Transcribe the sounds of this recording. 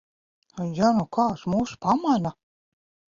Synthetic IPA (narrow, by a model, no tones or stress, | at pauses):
ajanukʰɑːsmuːsu̥pamana